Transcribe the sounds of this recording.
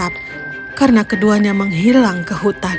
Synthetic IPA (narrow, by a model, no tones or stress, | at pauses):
at̪̚ | karnakəduaɲaməŋɦilaŋkəɦut̪a